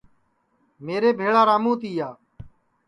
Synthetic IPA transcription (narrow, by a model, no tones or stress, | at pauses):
meːɾeːbʱeːɭaːɾaːmũːt̪iːjaː